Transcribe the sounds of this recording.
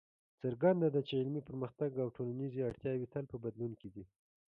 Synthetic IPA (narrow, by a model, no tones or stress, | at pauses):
t͡saɾɡand̪ad̪at͡ʃeɪlmipəɾməxt̪aɡawʈʰolaniziaɽt̪jɑwit̪alpəbad̪lunkid̪i